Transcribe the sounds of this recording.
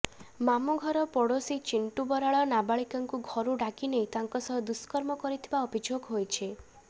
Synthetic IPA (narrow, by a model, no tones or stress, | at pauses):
mamuɡʱɔɾɔpɔɽosit͡ʃiɳʈubɔɾaɭɔnabaɭikaŋkuɡʱɔɾuɖakinejt̪aŋkɔsɔɦɔd̪uskɔɾmɔkɔɾit̪ʰibaɔbid͡ʒokɦojt͡ʃʰi